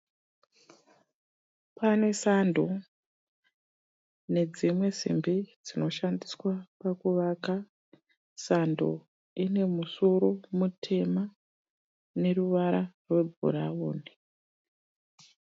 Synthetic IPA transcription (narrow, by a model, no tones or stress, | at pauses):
pane̞sando̞ | ne̞d͡zimwe̞zḭmbid͡zino̞ʃandiswapakuʋaka | sando̞̰ | ine̞muso̞ɾo̞mutʰe̞ma | ne̞ɾuʋaɾarwe̞bʱṵɾaoːni